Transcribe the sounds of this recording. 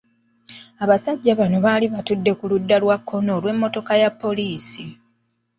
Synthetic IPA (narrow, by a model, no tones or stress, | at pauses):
aβasaɟːaβano̞βaːliβatudːe̞kuludːalwakʰːo̞no̞ːlwe̞mːo̞to̞kajapːo̞liːsi